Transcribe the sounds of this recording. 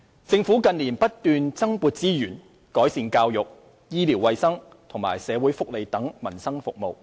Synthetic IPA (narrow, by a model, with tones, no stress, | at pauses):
t͡sɪ˧ŋfuː˨˥kɐ˨nliː˨˩npɐ˥t̚t̪yː˨˧nt͡sɐ˥ŋpuː˧t̚t͡siː˥jyː˨˩n | kɔː˨˥jsiː˨˧nkaː˧wjʊ˨k̚ | jiː˥liː˨˩wɐ˧jsɐ˥ŋ | t̪ʰʊ˨˩ŋma̰ː˨˩jsɛː˨˧wuː˨˥jfʊ˥k̚le˨jt̪ɐ˨˥ŋmɐ˨˩nsɐ˥ŋfʊ˨k̚mo˨˧w